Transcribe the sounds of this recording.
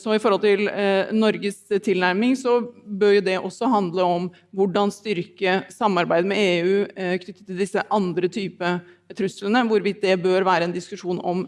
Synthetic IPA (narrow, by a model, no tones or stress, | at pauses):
sɔɪfɔɾhɔlt̪ʰɪlnɔɾɡəst̪ʰɪlnæɾmɪŋsɔbøːɾjʊd̪ɛʔɔsːɔɦɑnd̪ləɔm | ʋʊɖɑnst̪ʏɾkəsɑmːɑɾbæɪd̪mɛeːʉːkʰnʏt̪ːət̪ʰɪld̪ɪsːəʔɑnd̪ɾət̪ʰyːpə | t̪ʰɾʉslənəʋʊɾʋɪt̪̚d̪ɛbøːɾʋæːɾəɛːnd̪ɪskʉʂuːnɔm